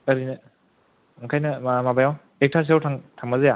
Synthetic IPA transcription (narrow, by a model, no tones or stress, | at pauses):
ɐɾinɐ | ŋkʰajnɐmabajaw | ek̚tʰaɾs̬iawtʰaŋtʰaŋmazeja